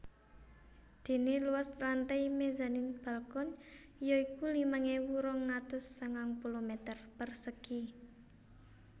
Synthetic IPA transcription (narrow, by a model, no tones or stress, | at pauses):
d̪̥e̤neluwaslant̪ajmeza̤nɪnb̥a̤lkɔn | ijɔikulimaŋewuɾɔŋːat̪əsːəŋaŋpulomɛt̪ərpərsəki